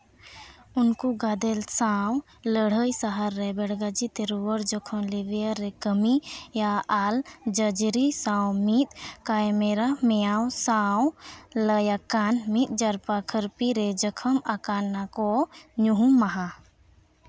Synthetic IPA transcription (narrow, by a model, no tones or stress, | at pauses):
ʊnkuɡad̪elsaw | ləɽ̤əjsaɦaɾːɛbɛɽɡad͡ʒit̪eɾuwəɾd͡ʒəkʰɔmliʋjaɾɛkəmijaald͡ʒəd͡ʒɾisãwmit̪̚kajmeɾamɛjawsawləjakanmit̪̚d͡ʒəɾpakʰəɾpiɾed͡ʒəkʰəmakanːakɔɲuɦumːaɦa